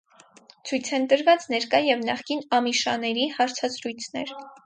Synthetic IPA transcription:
t͡sʰujt͡sʰɛnt̪əɾvɑt͡snɛɾkɑjɛvnɑχkinɑmiʃɑnɛɾihɑɾt͡sʰɑzɾujt͡sʰnɛ̰ɾ

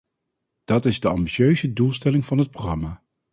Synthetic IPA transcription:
d̥ɑtɪzdəɑ̰mbiʃøɥzədulˠstɛlɪŋvɑnɦət̚prorɑmaː

